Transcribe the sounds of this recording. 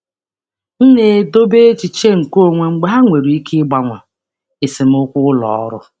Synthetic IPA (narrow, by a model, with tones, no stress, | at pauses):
n̩˦ne˨do˦be˦e˦t͡ʃi˨t͡ʃe˦ŋ̩˨ko˦˨ŋʷe˨ŋ͡m̩˦ɡ͡ba˦ɦa˦ŋʷe˨ɾu˨i˦kʰɪ˦ɡ͡ba˦ŋʷa˨ | ɪ˨sɪ˨m̩˦ʊ˦kʷʊ˦lɔ̰˨ɔ̰˦ɾʊ̰˦